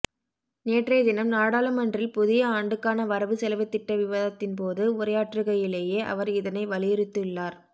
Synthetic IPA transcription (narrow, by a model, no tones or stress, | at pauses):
neːʈrɐɪd̪ɪnɐmnaːɽaːlɐmɐɳdrɪlpʊðɪjɐaːɳɖɯkːaːnɐʋɐɾɐʋɯsɛlɐʋɐɪt̪ːɪʈːɐʋɪʋɐðɐt̪ːɪnpoːðɯʊɾɐjaːʈrɯɣɐjɪleːjeːʔɐ̰ʋɐɾɪðɐnɐɪʋɐlɪjɪɾɯt̪ːɯɭːaːɾ